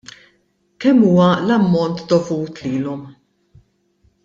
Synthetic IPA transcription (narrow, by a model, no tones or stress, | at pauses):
kɛmːuːwɐlɐmːɔnt̪d̪ɔvuːt̪liːlɔm